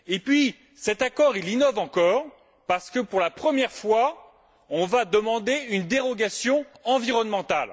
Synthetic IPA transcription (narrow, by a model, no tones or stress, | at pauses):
epɥi | sɛt̪akɔʁilinɔvɑ̃kɔʁ | paʁsə̥kəpuʁlapχəmjɛʁfwa | ɔ̃vad̪əmɑ̃d̪eynd̪eʁɔɡasjɔ̃ɑ̃viʁɔnmɑ̃t̪al